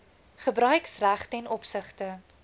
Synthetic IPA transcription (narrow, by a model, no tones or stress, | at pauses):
χəbɾœɥksræχtɛnɔpsəχtə